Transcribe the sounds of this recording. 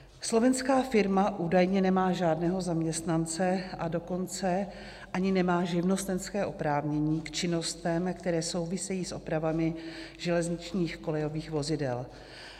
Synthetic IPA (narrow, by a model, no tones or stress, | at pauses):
slo̞vɛnskaːfɪɾmaʔuːdajɲɛnɛmaːʒaːdnɛːɦo̞zamɲɛst̪nant͡sɛʔado̞ko̞nt͡sɛ | ʔaɲɪnɛmaːʒɪvno̞st̪ɛnskɛːʔopɾaːvɲɛɲiːkt͡ʃɪno̞st̪ɛmkt̪ɛɾɛːso̞wvɪsɛjiːsʔo̞pɾavamɪʒɛlɛzɲɪt͡ʃɲiːxko̞lɛjo̞viːxvo̞zɪdɛ̰l